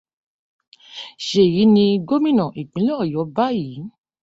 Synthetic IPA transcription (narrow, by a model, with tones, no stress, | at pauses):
ʃe˨ji˨˦nĩ˧ɡo˦mĩ˦nã˨ʔi˨k͡pĩ˨˦lɔ˦ɔ˦˨jɔ˨˦ba˦ji˨˦